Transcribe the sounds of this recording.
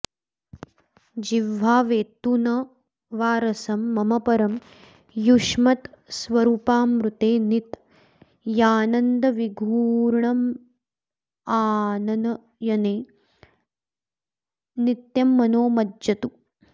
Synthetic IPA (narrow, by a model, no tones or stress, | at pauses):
d͡ʒiʋːaːʋeːt̪unɐ | ʋaːɾɐsɐmːɐmɐpɐɾɐm | juʂmɐt̪sʋɐɾuːpaːmɾut̪eːnit̪ | jaːnɐnd̪ɐʋiɡʱuːɾɳɐm | aːnɐnɐ | jɐneː | nit̪jɐmːɐnoːmɐdjɐt̪u